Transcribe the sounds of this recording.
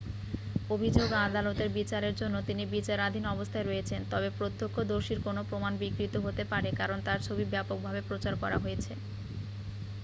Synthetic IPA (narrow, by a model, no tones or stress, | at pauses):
obʱid͡ʑoɡad̪alot̪eɾbit͡ɕaɾeɾd͡ʑonːot̪inibit͡ɕaɾad̪ʱinɔbost̪ʰaeɾoet͡ɕʰent̪ɔbepɾot̪ʰːokʰːod̪oɾʃiɾkonopɾomanbikɾit̪oɦot̪epaɾekaɾont̪aɾt͡ɕʰobibɛpok̚bʱabepɾot͡ɕaɾkɔɾaɦojet͡ɕʰe